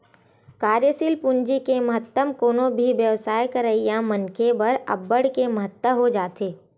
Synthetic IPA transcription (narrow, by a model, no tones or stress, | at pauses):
kaːɾjəsiːlpund͡ʒikemɐɦət̪ːəmkoːnõbʱiʋjəʋsaːjkəɾəijãmənkebɐɾə̰bːəɽkemɐɦət̪ːəɦod͡ʒaːt̪eː